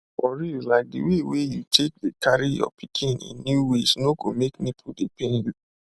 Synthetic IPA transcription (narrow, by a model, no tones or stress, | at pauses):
fɔɹulaɪk̚dḭwewejutʰek̚dekʰaɹijɔ̰pʰikʰĩnḭ̃nːjuwesnoɡomeknipʰudepẽnju